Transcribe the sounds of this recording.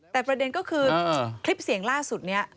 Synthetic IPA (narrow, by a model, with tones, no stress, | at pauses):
t̪ɛː˨˩pɾa˧de˧nkɔː˥˩kʰɯː˧kʰli˦˥p̚si˩˦əŋlaː˥˩su˨˩t̪̚ni˦˥ɐ